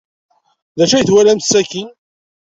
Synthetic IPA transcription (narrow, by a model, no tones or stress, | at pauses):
ðæʃæjθwælæmsːækin